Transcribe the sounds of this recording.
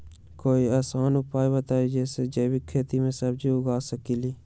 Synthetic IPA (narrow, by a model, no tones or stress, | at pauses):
koːiaːsaːnʊpaːibət̪aːed͡ʒeːsed͡ʒeːbikʰeːt̪imẽsəbd͡ʒiʊɡaːsəkiliː